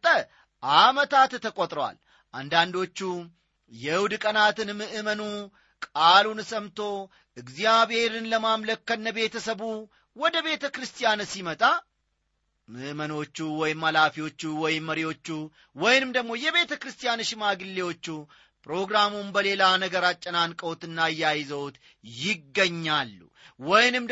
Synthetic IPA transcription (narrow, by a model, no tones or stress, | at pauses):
t̪ʼə | ʔamət̪ʰat̪t̪ʰːəkʼot̪ʼɾəwa̰l | ʔa̰nd̪and̪o̞t͡ʃːu | jɛɨwd̪kʼənat̪ɨnmɨʔɨmənu | kʼalunsəmt̪ʰo̞ | ɨɡzijaβhe̞ɾɨnləmamləkːənːəbe̞t̪ʰəsəβu | wɔd̪əβe̞t̪ʰəkɾɨst̪ʰʼijansimət̪ʼa | mɨʔməno̞t͡ʃːuwɔjɪmːalafiwo̞t͡ʃːuwɔjɪmːəɾiwo̞t͡ʃːu | wɔjnɨmd̪əɡmo̞jɛβe̞t̪ʰəkɾɨst̪ʰijanɨʃɪmaɡɨlːewo̞t͡ʃːu | pʰʼɾo̞ɡɾamunbəle̞lanəɡəɾat͡ʃʼːɐnankʼəwt̪ɨnːajajɪzəwt̪ | jɪɡːəɲːalːṵ | wɔjnɨm